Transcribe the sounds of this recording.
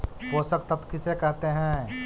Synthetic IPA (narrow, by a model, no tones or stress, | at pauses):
koːsək̚t̪ɐbkɪsekɛɦt̪eɦɛ̃ː